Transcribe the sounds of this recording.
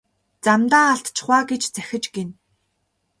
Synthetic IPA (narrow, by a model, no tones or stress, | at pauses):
t͡samt̪aːaɬt̪t͡ɕχwaːɡet͡ɕt͡sæ̥xʲɪ̆t͡ɕɡen